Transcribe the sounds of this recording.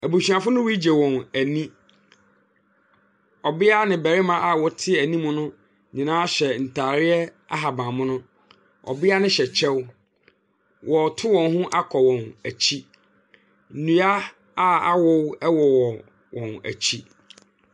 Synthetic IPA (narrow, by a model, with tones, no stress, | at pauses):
æ˨bu˨ɕi˨ã˨fʊ˦nʊ̃˦wi˦d͡ʑe˨wɔ̃˨næ˨nĩ˦ | ɔ˨bɪ˦a˦nɪ̃˨bɛ˨ɾɪ˦mã˨ʔa˦˨wɔ˦tʰɪ˦æ˨nĩ˦mʊ̃˦nʊ̃˦ | ɲĩ˨nãː˦a˦ɕɛ˨n̩˨tʰaː˨ɾɪ˦ɛ˦ | a̰˦ɦa˨bã˨mʊ̃˦nʊ̃˦ | ɔ̰˨bɪ˦a˦nɪ̃˦ɕɛ˨t͡ɕʰɛ˦w | wʔɔ˨tʰʊ˦wɔ̃˨nɦʊ̃˦ʔa˦kʰɔ˨wɔ̃˨næ˨t͡ɕʰi˦ | n̩˨nũ˨a˦ | a˦a̰˦wɔ˦wɛ˦wɔ˨wɔ˨ | wɔ̃˨næ̰˨t͡ɕʰi˦